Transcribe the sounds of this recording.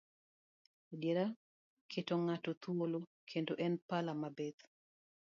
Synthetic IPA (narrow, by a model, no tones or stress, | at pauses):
djeɾa | kʰetoŋatɔt̪wolo | kʰendoʔɛnpalamabet̪